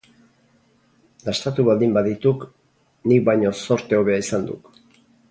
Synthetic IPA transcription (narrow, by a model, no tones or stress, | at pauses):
last̪at̪uβald̪imbaðit̪uk | nik̚bajɲo̞so̞ɾt̪e̞o̞βe̞aisand̪ṵk